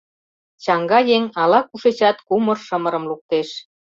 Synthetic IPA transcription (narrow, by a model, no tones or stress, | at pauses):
t͡ɕɑŋɡɑjeŋɑlɑkuʃet͡ɕɑt̪kumə̆rʃə̆mə̆ɾə̆mluk̚t̪eʃ